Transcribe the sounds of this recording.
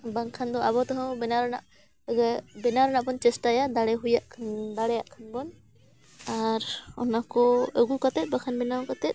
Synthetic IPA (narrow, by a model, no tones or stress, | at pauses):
baŋkʰand̪ɔaβɔt̪ɔɦɔ̃bɛnaɾɔna̰ʔ | ɡabɛnaɾɔnaʔbɔnt͡ʃɛsʈajad̪aɽɛɦujaʔkʰnd̪aɽɛjaʔkʰanbɔn | aɾɔ̰nakɔəɡukat̪ɛt̪̚ˀbakʰanbɛnawkat̪ɛt̪̚